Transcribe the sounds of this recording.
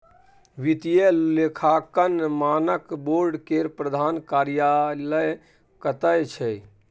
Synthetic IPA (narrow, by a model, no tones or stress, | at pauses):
ʋit̪ijelekʰakənmaːnəkboɾɖkeɾpɾəd̪ʱaːnkaɾjaləj | kət̪əjt͡ʃʰɛ